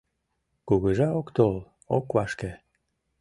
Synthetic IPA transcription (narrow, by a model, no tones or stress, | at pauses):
kuɣəʒɑokt̪ol | okβɑʃke